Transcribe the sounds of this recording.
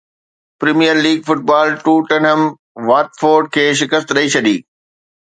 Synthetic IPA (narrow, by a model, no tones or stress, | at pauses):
pɾiːmijəɾliːɡfʊʈ̚baːlʈuːʈɐɳɦəm | ʋaːʈfoːɾɖ̚kʰeːʃ̬ɪkəst̪ɾɐit͡ɕʰɐɗ̪ḭː